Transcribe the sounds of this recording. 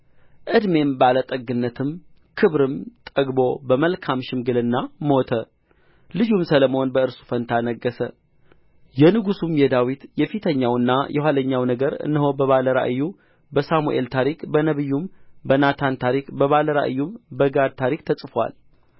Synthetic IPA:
ʔɨd̪me̞mbəalat̪ʼəɡːɨnːət̪ʰɨm | kʰɨβɾɨmt̪ʼəɡbo̞bəməlkʰamʃɪmɡɨlɨnːamo̞t̪ʰə | lɨd͡ʒumsələmo̞nbəɨɾsu̥fənt̪ʰanəɡːəsə | jɛnɨɡusumjɛd̪awit̪jɛfit̪ʰəɲːawɨnːa̰jʔɛhwaləɲːawnəɡəɾɨ̰nːɨɦo̞bəβaləɾa̰ʔɨjːu | bəsamuʔe̞̰lt̪ʰaɾikbənəβɨjːumbənat̪ʰant̪ʰaɾikbəβaləɾa̰ʔɨjːumbəɡad̪̚t̪ʰaɾik̚t̪ʰəsʼfwa̰l

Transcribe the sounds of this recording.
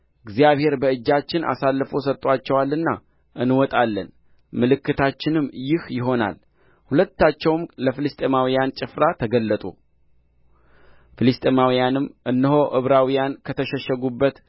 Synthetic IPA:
ɨɡzijaβhe̞ɾbəɨd͡ʒːat͡ʃːɪnʔa̰salːfo̞sət̪ʼːwat͡ʃːɛwalːɨnːa̰ | ʔɨnwɔt̪ʼalːə̰n | mɨlɨkːɨt̪ʰat͡ʃːɪnɨmːjɪhjɪɦo̞na̰l | hulət̪ːat͡ʃːɛwmləfɨlɨst̪ʼemawijant͡ʃʼɪfɾat̪ʰəɡəlːət̪ʼṵ | fɨlɨst̪ʼemawijanɨmʔɨnːɨɦo̞ʔɨβɾawijankʰət̪ʰəʃɛʃəɡubːət̪

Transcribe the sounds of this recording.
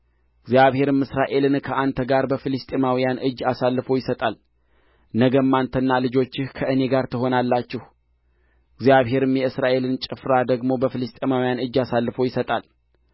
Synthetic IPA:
ɨɡzjaβhe̞ɾɨmɨsɾaʔe̞lɨnkʰəʔant̪ʰəɡaɾbəfɨlɨst̪ʼemawijanʔɨd͡ʒːasalːɨfo̞jɪsət̪ʼal | nəɡəmːant̪ʰənːalɨd͡ʒo̞t͡ʃːɪhkʰəʔɨne̞ɡaɾt̪ʰɨɦo̞nalːat͡ʃːɪh | ɡzijaβɦe̞ɾɨmjɛɨsɾaʔe̞lɨnt͡ʃʼɪfɾad̪əɡmo̞bəfɨlɨst̪ʼemawijanɨd͡ʒːasalːɨfo̞jɪsət̪ʼal

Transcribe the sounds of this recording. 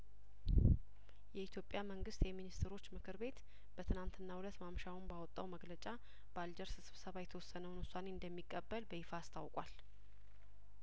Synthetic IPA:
jɛit̪ʰjo̞pʼjaməŋɡɨst̪jɛminist̪ʰɾo̞t͡ʃːmɨkʰɨɾbe̞t̪ | b̥ət̪ʰɨnant̪ʰɨnːahulət̪mamʃawnbawɔt̪ʼːawməɡlət͡ʃʼa | b̥əald͡ʒəɾsɨsɨβsəβajɛt̪ʰəwɔsːənəwnusane̞ɨnd̪əmːikʼːəbːəlbəhifaːst̪ʰa̰wkʼwal

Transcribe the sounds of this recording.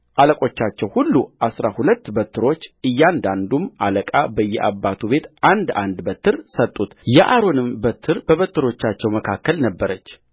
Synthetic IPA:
ʔaləkʼo̞t͡ʃːat͡ʃːɛwhulːuʔasɾahulət̪ːbət̪ʰːɨɾo̞t͡ʃːɨjːand̪and̪umʔaləkʼabəjːɛʔabːat̪ʰuβe̞t̪ʔand̪a̰nd̪bət̪ʰːɨɾsət̪ʼːut̪jɛʔaɾo̞nɨmbət̪ʰːɨɾbəβət̪ːɨɾo̞t͡ʃːat͡ʃːɛwməkʰakːəlnəbːəɾət͡ʃː

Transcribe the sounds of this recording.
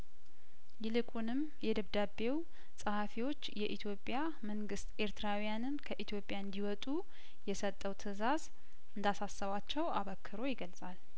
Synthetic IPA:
jɪlɨkʼunɨm | jɛd̪əβd̪abe̞w | sʼəhafiwo̞t͡ʃːjɛʔit̪ʰjo̞pʼːja | məŋɡɨst̪ʔe̞ɾt̪ʰɨɾawijanɨnkʰəʔit̪ʰjo̞pʼjaɨnd̪iwɔt̪ʼu | jɛsət̪ʼːəwt̪ʰɨzaz | ʔɨnd̪asasːəβat͡ʃːɛwaβəkʰːɨɾo̞jɪɡəlsʼal

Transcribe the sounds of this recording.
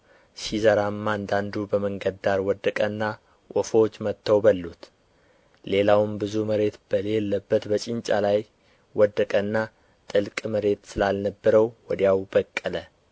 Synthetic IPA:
ʃizəɾamːand̪and̪ubəməŋɡəd̪aɾwɔd̪ːəkʼənːa | ʔɔfot͡ʃːmət̪ːəwbəlːut̪ | le̞lawɨmbɨzuməɾe̞t̪b̥əlelːəbːət̪bət͡ʃʼɪnt͡ʃʼa̰laj | wɔd̪əkʼənːa | t̪ʼɨlkʼməɾe̞t̪sɨlalnəbːəɾəwwɔd̪jawbəkʼːələ

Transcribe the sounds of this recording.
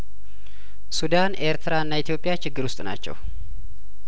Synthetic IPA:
sud̪ane̞ɾt̪ʰɨɾaɨnːait̪ʰijo̞pʼːjat͡ʃɪɡːɨɾwʊst̪ʼna̰t͡ʃːɛ̰w

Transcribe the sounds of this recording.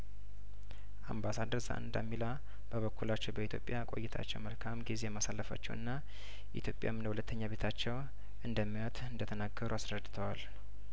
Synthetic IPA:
ʔa̰mbasad̪əɾza̰ʔɨ̰nd̪a̰mːila | b̥əβəkʰːulat͡ʃːɛwbəit̪ʰjo̞pʼːjakʼo̞̰jːɪt̪ʰa̰t͡ʃːɛwməlkʰamɡizejɛmasalːəfa̰t͡ʃːɛwɨ̰nːa | ʔit̪ʰjo̞pʼja̰mːɨnəhulət̪ʰːəɲːaβe̞t̪ʰat͡ʃːɛw | ʔɨnd̪əmːijɔt̪ʰɨnd̪ət̪ʰənaɡəɾuasɾəd̪ːɨt̪ʰəwal

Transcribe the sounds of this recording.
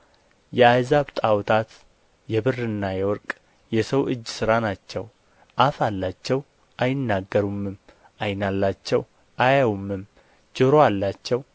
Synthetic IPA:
jɛajzaβt̪ʼawt̪ʰat̪ | jɛβɨrːɨnːajɛwɔɾkʼ | jɛsəwʔɨd͡ʒːsɨɾanat͡ʃːɛw | ʔafalːat͡ʃːɛw | ʔajɪnːaɡːəɾumːɨm | ʔajnalːat͡ʃːɛw | ʔajawumːɨm | d͡ʒɨɾoalːat͡ʃːɛw

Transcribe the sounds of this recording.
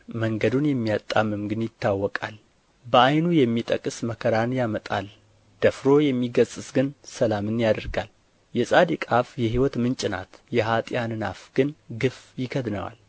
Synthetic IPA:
məŋɡəd̪unjɛmːijat̪ʼːamːɨmɡɨnjɪt̪ːawːɔkʼa̰l | bəajnujɛmːit̪ʼəkʼɨsməkʰəɾanjamət̪ʼa̰l | d̪̥əfɾo̞jɛmːiɡəzʼɨsɡɨnsəlamɨnjad̪əɾɡal | jɛsʼad̪ikʼafjɛɦiwɔt̪mɨnt͡ʃʼɪna̰t̪jɛɦat̪ʼjanɨna̰fɡ̥ɨnɡɨfjɪkʰəd̪nə̰wa̰l

